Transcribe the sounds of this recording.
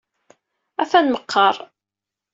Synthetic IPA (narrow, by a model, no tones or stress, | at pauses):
æθænməqʰːɑɾˤ